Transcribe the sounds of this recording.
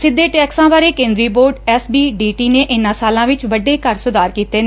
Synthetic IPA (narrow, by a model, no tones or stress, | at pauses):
sɪd̪ːeːʈɛːksãːbaːɾeːkẽːnd̪ɾiːboːɾɖɛːsbiːɖiːʈiːneːʔɪnãːsaːlãːʋɪt͡ʃʋəɖeːkəɾsʊd̪aːɾkiːt̪eːne